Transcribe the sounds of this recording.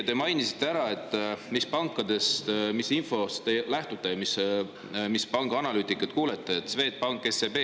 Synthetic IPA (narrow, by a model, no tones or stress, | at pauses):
t̪e̞mɑjnisi̥t̪ːeæɾɑe̞t̪ˑːmispɑŋkːˑɑd̪̥e̞st̪misinfo̞st̪elæht̪ut̪ːˑejɑmis | mispɑŋɡ̥ɑɑnɑlyːt̪ːˑikːˑɑt̪kuːlet̪ˑːeet̪sve̞ːt̪̚pɑŋkːˑesepeː